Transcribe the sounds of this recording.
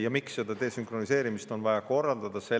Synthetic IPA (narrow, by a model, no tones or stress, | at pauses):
jɑmiksːe̞d̪̥ɑt̪e̞ːsyŋkro̞nise̞ːɾimist̪o̞nvɑjɑko̞rːɑld̪ɑd̪̥ɑse̞